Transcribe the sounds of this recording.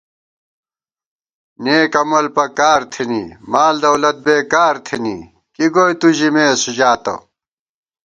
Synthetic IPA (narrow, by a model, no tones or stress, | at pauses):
neːkɐmɐlpɐkaːɾt̪ʰinḭːmaːld̪ɐwlɐt̪̚beːkaːɾt̪ʰenḭː | kiɡoːjt̪uʑimeːsud͡ʑaːt̪ɐ̰